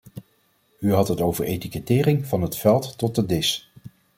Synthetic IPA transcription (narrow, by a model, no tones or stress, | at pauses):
yɦɑtɦətowvəɹejtikətɪːrɪŋvɑnɦətfɛlˠtːɔt̚dədɪs